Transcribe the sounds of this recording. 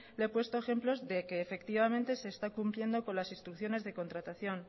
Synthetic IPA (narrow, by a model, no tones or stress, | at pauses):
le̞pwe̞st̪oexe̞mplo̞zðe̞keːfe̞kt̪iβamẽnt̪e̞se̞ːst̪akumplje̞nd̪o̞ko̞nlasinst̪ɾukθjo̞ne̞zðe̞ko̞nt̪ɾat̪aθjo̞n